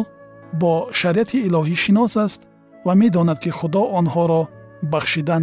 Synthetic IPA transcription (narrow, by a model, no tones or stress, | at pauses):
bɔʃaɾiʔat̪ʰiːlɔɦiʃinɔsast̪ | vame̞d̪ɔnad̪kʰiχʊd̪ɔʔɔnhɔɾɔbaχʃid̪an